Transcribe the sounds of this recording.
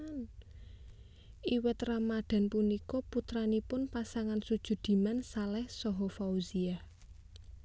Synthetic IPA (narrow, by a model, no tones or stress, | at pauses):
n | iwɪt̪ramaɖ̪̥a̤npunikɔput̪ɾanipʊnpasaŋansud̥ʒ̥ṳd̪̥i̤mansalɛhsɔɦɔfauziah